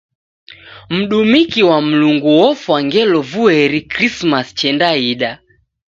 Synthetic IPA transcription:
m̩ɗumikiwam̩luŋɡuwɔfwaŋɡɛlɔvuɛɾikɾismast͡ʃɛndaiɗa

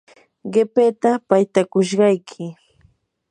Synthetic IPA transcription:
ɢepeːt̪apajt̪akʊʃɢɑjkʰɪ

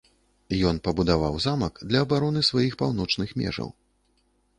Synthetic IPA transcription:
jɔnpɐbud̪avawzamɐkd̪lʲɐːbaɾɔnɨsvajixpawn̪ɔt͡ʂnɨxmʲɛ̰ʐɐ̰w

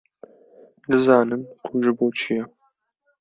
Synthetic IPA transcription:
dɨzɑːnɨnkʰʊʒɨboːt͡ʃʰijɛ

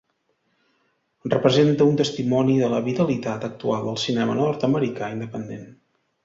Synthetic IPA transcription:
rəpɾəzent̪əunt̪əst̪imɔniðələβit̪əlit̪at̪ək̚t̪ualˠd̪əlˠsinɛmə̰nɔrt̪əməɾikaind̪əpənd̪en

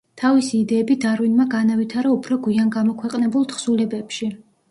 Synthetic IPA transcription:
t̪ʰavisiːd̪ɛːbid̪aɾwinmaɡanavit̪ʰaɾaupʰɾɔɡwianɡamɔkʰwɛqʼnɛbulˠt̪χsulɛbɛpʃi

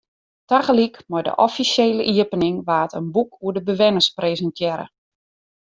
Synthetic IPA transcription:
taɣəlikmɔjdə̰ʔɔfisjeːləʔiəpənɪŋʋaːtənbukʰuədəbəʋɛnəspreːzəntʰjɛɾə̰

